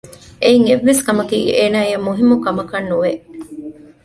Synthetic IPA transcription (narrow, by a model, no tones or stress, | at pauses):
eiŋeʋːeskɐmɐkiːeːnaːijɐmːuɦimːukɐmɐkɐnːuʋe